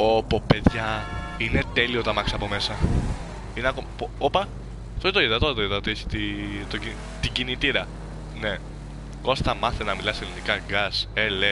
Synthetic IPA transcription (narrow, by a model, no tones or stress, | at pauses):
opope̞ðʝɐ | ine̞t̪e̞liot̪ɐmɐksɐpo̞me̞sɐ | ineɐkompoopɐ | t̪oit̪oiðɐt̪ot̪oiðɐot̪ieçi̥t̪it̪oi | t̪iɟinit̪iɾɐ | ne | kost̪ɐmɐθenɐmilɐselinikɐɡɐsele